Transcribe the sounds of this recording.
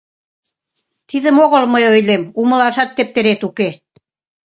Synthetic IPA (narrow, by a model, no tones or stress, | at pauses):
t̪iðə̆moɣolməjojlemumɤ̆lɑʃɑt̪ːĕp̚t̪ĕɾet̪uke